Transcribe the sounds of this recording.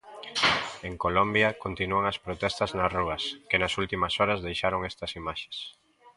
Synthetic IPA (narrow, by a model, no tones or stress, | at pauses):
eŋkolombjɐkont̪inuɐŋɐspɾot̪ɛst̪ɐznɐsruɐskɪnɐsult̪imɐsɔɾɐzðejʃaɾoŋɛst̪ɐsimaʃe̥s